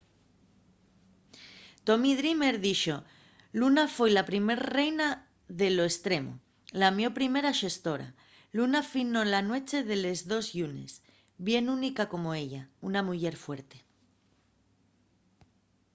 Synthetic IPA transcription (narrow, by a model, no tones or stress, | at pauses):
t̪o̞miðɾime̞ɾðiʃo̞ | lunafwe̞jlapɾime̞ɾre̞jna | ðe̞lo̞est̪ɾe̞mo̞̰ | lamjo̞pɾime̞ɾaʃe̞st̪o̞ɾa̰ | lunafino̞lanwe̞t͡ʃe̞ðe̞le̞zðo̞zʝune̞̰s | βje̞nunikako̞mo̞e̞ʎaunamuʝe̞ɾfwe̞ɾt̪e̞